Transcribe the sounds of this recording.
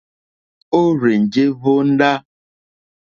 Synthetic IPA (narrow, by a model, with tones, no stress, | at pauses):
o˦ɾe˨n̩˨d͡ʒe˦vo˦n̩˦ɖa˦